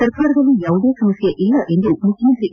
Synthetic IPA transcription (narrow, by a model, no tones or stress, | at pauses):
sɐɾkaːɾɐd̪ɐlːijaːʋud̪e̞ːsɐmɐsjɐʔilːɐʔend̪umukʰjɐmɐnt̪ɾi